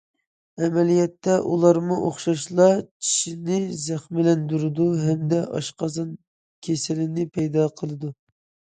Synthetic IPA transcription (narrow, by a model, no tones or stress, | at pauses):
ɛmɛlijɛt̪ːɛʔulˠɑɾmuʔoχʃɑʃlˠɑt͡ʃʰi̥ʃinɪzæχmɪlɛnd̪uɾɨd̪uɦɛmd̪ɛʔɑ̰ʃqɑzɑn | kʲʰesɪlɪnɪpʰɛjd̪ɑqʰəlˠɨd̪u